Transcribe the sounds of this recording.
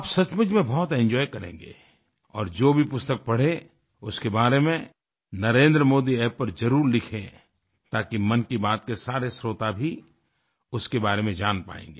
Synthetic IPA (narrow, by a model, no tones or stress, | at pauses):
aːpsɐt͡ʃmʊd͡ʒmẽbɔːt̪ɛ̃ɲd͡ʒɔːjkɐɾḛ̃ːŋɡḛː | ɔ̰ːɾd͡ʒoːbʱipʊst̪ək̚pɐɽ̤e | ʊskebaːɾemẽ | nɐɾẽːnd̪ɾəmoːd̪iɛːppːɐɾzɐɾuːɾlɪkʰḛ̃ | t̪aːkimɐnkibaːt̪̚kesaːɾesɾoːt̪abʱi | ʊskebaːɾemẽd͡ʒaːnpa̰ːḛ̃ːŋɡeː